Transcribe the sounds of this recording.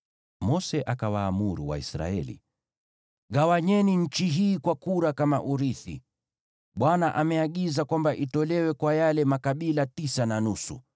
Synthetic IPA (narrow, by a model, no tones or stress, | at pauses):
mɔsɛʔakawaːmuɾuwa̰ḭsɾa̰ɛ̰lḭ | ɣawaɲɛniɲ̩t͡ʃiɦiːkwakuɾakama̰ʔuɾiθḭ | ɓwanaʔamɛaɠizakwambaʔitɔlɛwɛkwajalɛmakaɓilatisananusṵ